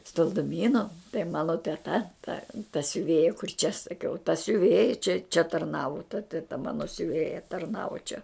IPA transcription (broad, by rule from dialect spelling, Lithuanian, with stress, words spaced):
stɐlˠdʊˈmʲiːnʊ tɐɪ ˈmɑːnoː tʲɛˈtɐ tɐ tɐ sʲʊˈʋʲeːjɛ kʊr t͡ʃʲɛ sɐˈkʲɛʊ tɐ sʲʊˈʋʲeːjɛ t͡ʃʲɛ t͡ʃʲɛ tɐrˈnɑːʋʊ tɐ tʲɛˈtɐ ˈmɑːnoː sʲʊˈʋʲeːjɛ tɐrˈnɑːʋoː t͡ʃʲɛ